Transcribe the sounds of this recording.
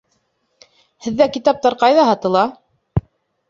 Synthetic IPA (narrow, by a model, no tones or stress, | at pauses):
hɘ̆ðːækit̪ɑp̚t̪ɑɾqɑjðɑɦɑt̪ɤ̆lˠɑ